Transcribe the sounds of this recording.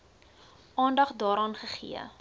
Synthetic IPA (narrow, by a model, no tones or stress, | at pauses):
ʔɑːndɐχdɑːɾɑːnχəχḭə̰